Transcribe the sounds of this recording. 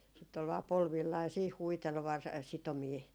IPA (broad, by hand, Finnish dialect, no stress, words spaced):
sitː ol ʋɑː polʋilːɑː jɑ siːh huitel ʋɑr sitomiː